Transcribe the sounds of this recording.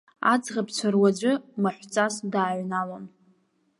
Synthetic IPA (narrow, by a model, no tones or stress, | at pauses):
a̰d͡zʁabʰt͡ɕʷʰarwad͡ʒʷɨmaħʷt͡sʼasdaːɥnalon